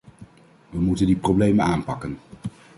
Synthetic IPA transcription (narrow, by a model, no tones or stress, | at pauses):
ʋəmutəndiprowblejmənaːnpɑkən